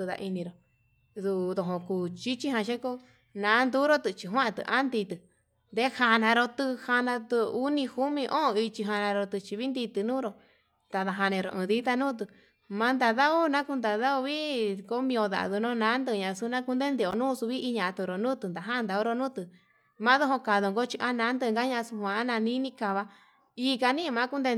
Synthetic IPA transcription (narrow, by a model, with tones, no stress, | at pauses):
ɨ˧ða̰˧ʔi˧nĩ˧ɾo˨ | ðu˧ðo˨ɦõ˧˨kuː˧˨t͡ʃi˦t͡ʃi˦ɦã˧ʃe˦ko˦ | nãː˨˦nd̪u˦ɾo˦t̪ɨ˧t͡ʃi˧ɦwã˦ã˧t̪ɨ̰˧ʔa˦nd̪i˧t̪ɨ˧˨ | nd̪e˧˦ha˧nã˧ɾo˧t̪ɨ˧ha˧nã˧t̪ɨ˧u˦nĩ˧hu˦mĩ˧ʔõ˦˧i˧t͡ʃi˧ɦa˧nã˧ɾo˧t̪ɨ˧t͡ʃi˧βi˦nd̪i˧t̪ɨ˧nũː˦ɾo˧ | t̪a˧ða˧ɦa˧nẽ˧ɾo̰˧˨ʔɨ̃ː˨˧ði˦t̪a˧nũː˦t̪̬ɨ˧ | mã˧nd̪a˧ða˦u˦nã˦ku˧nd̪a˨ða˦o˧βi˦ko˦mĩ˧o˧ða̰˨˧ðu˧nõ˦˧nã˨˦nd̪ɨ˧ɲã˧su˧nã˦ku˧nd̪e˦nd̪e˧˨o˧nũː˦˧su˧βi˦i˧ɲã˧t̪u˧ɾo˨nũː˦t̪ɨ˧˨nd̪a˨ɦã˦˧nd̪a˧o˦˧ɾo˧nũ˦t̪ɨ˧ | mã˦ðo˦ɦo˧ka˨ðo˧ŋɡo˦t͡ʃi˧ʔa˦nã˨˦nd̪ɨ˧ŋɡa˦ɲã˧su˧hʷã˧˦nã˧nĩ˦nĩ˧ka˧βa˧ | i˧ka˧nĩ˦˧mã˨˦ku˦nd̪e˧